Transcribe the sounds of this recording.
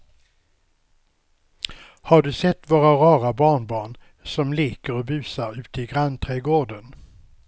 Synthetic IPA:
haɖɵsɛt̪ːvoːɾaɾɑːɾabɑːɳbɑːɳ | sɔmliːkəɾɔbʉ̟ːsaɾʉ̟ːt̪əɪɡɾant̪ʰɾɛːɡoːɖən

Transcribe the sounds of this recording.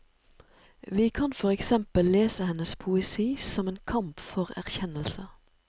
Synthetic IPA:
ʋiːkʰɑnfɔʁɛksɛmpəlleːsəhɛnəspʰʊɛsiːsɔmeːnkʰɑmpfɔʁæ̰ʁçɛnəlsə

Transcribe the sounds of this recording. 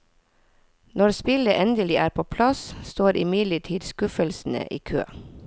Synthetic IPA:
nɔɾspɪləʔɛnd̪əlɪʔæːɾpʰoːpʰlɑsst̪oːɾʔɪmɪd̪ləʈʰiːd̪skʉfəlsn̩ə̰ʔḭːkʰø̰ː

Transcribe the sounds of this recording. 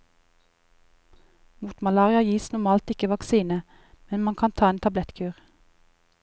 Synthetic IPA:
muːt̪mɑlɑːʁɪɑjiːsnʊmɑːlt̪ɪkəʋɑksiːnə | mɛnmɑŋkʰɑnt̪ʰɑːeːnt̪ʰɑblɛt̪kʰʉːʁ

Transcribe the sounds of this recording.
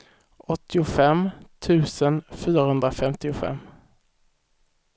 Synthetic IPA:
ʔɔt̪ːɪʊfɛmt̪ʰʉ̟ːsənfyːɾahɵnd̪ɾafɛmt̪ɪʊfɛ̰mː

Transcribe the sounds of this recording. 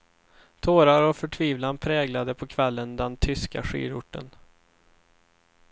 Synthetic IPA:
t̪ʰoːɾaɾɔfœʈʰviːvlanpʰɾɛːɡlad̪əpʰɔkʰvɛlːənd̪ɛnt̪ʰʏska̰ɧḭːɾʊ̰ʈːə̰n

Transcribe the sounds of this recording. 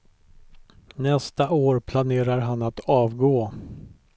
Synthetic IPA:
nɛst̪aʔoːɾpʰlaneːɾaɾɦanat̪ɑːvɡoː

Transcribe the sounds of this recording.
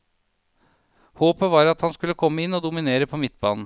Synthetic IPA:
hoːpəʋɑːɾɑt̪hɑnskʉlːəkʰɔmːəɪnːoːd̪ʊmɪneːɾəpʰoːmɪt̪ːbɑ̰ːnn̩

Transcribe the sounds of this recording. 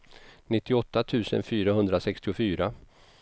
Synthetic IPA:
nɪt̪ːɪɔt̪ːat̪ʰʉ̟ːsə̰nfyːɾaɦɵnd̪ɾasɛkst̪ɪʊfyːɾa

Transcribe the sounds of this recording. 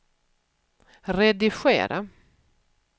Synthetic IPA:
ɾɛd̪ɪɧḛːɾʔa̰

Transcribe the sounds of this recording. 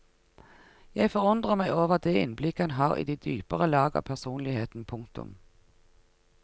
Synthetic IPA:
jæɪfɔʁʊnd̪ʁəmæɪoːʋəʁd̪eɪ̰nblɪkːəhɛnɦɑːʁḭːd̪iːd̪yːpəʁəlɑːɡəɑ̰pʰæʁsuːnlɪheːt̪n̩pʰʊŋkt̪ʊ̰m

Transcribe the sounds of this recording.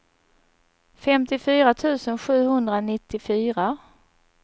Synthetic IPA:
fɛmt̪ɪfyːɾat̪ʰʉ̟ːsənɧʉ̟ːhɵnd̪ɾanɪt̪ːɪfyːɾa

